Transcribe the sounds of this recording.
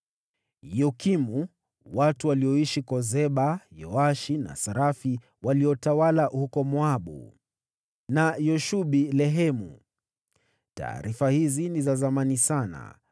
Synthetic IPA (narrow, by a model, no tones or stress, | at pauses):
jɔkimu | watuwaliɔiʃikɔzɛɓajɔaʃina̰saɾafi | waliɔtawalahukɔmwaɓṵ | najɔʃuɓilɛɦɛmṵ | ta̰ːɾifahizinizazamanisana̰